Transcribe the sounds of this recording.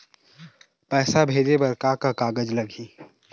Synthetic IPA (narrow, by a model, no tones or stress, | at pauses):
pɛːsabʱeːd͡ʒebɐɾkaːkakaːɡəd͡ʒlɐɡʱiː